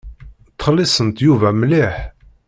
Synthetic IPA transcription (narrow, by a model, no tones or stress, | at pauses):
t̪χlːisənt̪juvæmliħ